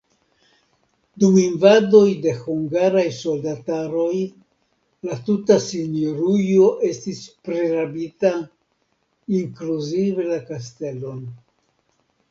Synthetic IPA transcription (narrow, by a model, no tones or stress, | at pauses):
duminvado̞jde̞huŋɡaɾajso̞ldataɾo̞j | latutasinjoɾujo̞ʔe̞stispɾe̞ɾabita | iŋkluzive̞lakaste̞lo̞n